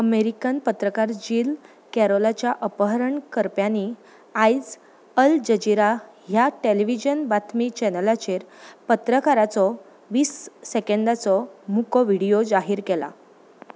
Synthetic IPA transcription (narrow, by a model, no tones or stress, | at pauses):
əmeɾikənpət̪ɾəkaɾd͡ʑil | kɛɾolat͡ɕjaʔəpəɦəɾəɳkəɾpjani | aid͡z | əld͡ʑəd͡ʑiɾa | ɦjaʈeleʋid͡ʑənbat̪ʰmit͡ɕɛnəlat͡ɕeɾpət̪ɾəkaɾat͡sɔ | ʋiːsːekeɳɖat͡sɔmukɔʋiɽijod͡zaɦiːɾkɛla̰